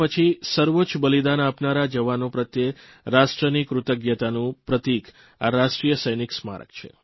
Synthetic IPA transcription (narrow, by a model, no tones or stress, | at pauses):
pət͡ʃʰisəɾʋot͡ʃbəlid̪anapnaɾad͡ʒəʋanopɾət̪je | ɾaʃʈɾənikɾʊt̪əɡjət̪anũpɾət̪ik | a̰ɾaʃʈɾijəsəjniksma̰ɾə̰k̚t͡ʃʰḛ